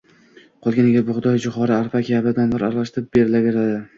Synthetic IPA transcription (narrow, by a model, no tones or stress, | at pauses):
qʰɒlˠɡʲaneɡʲabʊχʊd̪ɒjd͡ʒʊχɒɾaaɾfakʲabad̪anbaɾaɾlˠaʃt̪ɪɾɪp̚beɾɪlaɡʲeɾad̪ɪ